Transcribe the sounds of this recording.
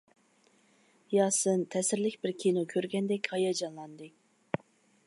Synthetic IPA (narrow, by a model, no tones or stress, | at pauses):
jɑːsɨnt̪ʰɛsɪɾlɪkʲbɪɾkʲʰinokʲʰøɾɡʲɛnd̪ɛkʲhɑjɑd͡ʒɑnlˠɑnd̪ɨ